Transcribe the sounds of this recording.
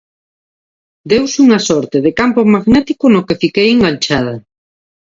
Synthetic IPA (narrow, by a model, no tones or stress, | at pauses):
d̪ewsuŋasɔɾt̪eðekampomaɣnɛt̪ikʊnokefikejeŋɡaɲt͡ʃaðɐ